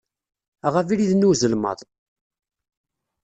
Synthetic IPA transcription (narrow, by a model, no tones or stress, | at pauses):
ʁəfiɾiðnuzəlmə̰ðˤ